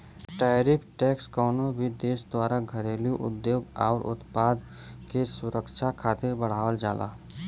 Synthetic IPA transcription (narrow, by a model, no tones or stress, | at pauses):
ʈaːɾɪpʰʈɛːkskɔːnobʱid̪eːsd̪waːɾaɡʱəɾeːljuʔʊ̰d̪joːɡɔ̰ːɾʔʊ̰t̪paːd̪kesʊɾəkt͡ʃʰakʰaːt̪ɪɾbəɽ̤aːʋəld͡ʒaːlʔa̰ː